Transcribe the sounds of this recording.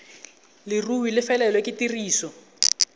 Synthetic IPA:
lɪruwilɪfɛlɛlwekɪtiriːsɔ

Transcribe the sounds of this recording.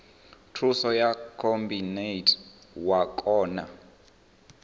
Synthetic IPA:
tʰrusɔjakʰombinejtʰʼ | wakʼɔːna̰

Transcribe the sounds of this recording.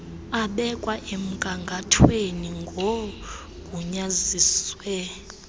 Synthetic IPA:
aɓɛkʼwaʔem̩kʼaŋɡʱatʰweniŋɡʱo | kʼuɲaziːswɛ

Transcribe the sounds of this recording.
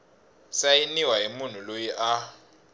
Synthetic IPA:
sajiniwaɦimun̤ulojiʔa

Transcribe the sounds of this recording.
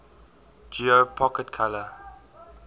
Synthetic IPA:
d͡ʒiopʰɔkɛtkʰalə

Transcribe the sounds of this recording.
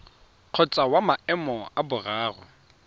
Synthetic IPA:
q͡χʰɔt͡sʼawamaɛmɔabʊraːrɔ̰

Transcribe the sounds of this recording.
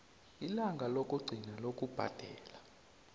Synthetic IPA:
ilaŋɡʱalokʼuɡ͡ǀʱinalokʼub̥ʱa̰d̥ʱɛːla

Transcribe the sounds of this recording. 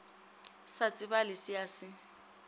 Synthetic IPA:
sat͡sʼɪbalɪsɪasɪ

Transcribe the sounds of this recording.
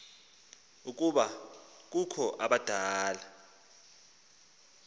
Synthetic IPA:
uk̬ʼuɓa | k̬ukʰɔʔaɓad̥ʱaːla

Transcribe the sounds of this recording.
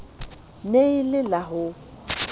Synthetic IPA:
neilɪlaɦʊ

